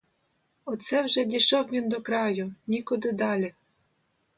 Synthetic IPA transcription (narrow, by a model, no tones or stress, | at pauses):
ɔt̪sɛwʒɛdʲiʃɔwʋʲind̪ɔkɾɑjʊnʲikʊd̪ɪd̪ɑlʲi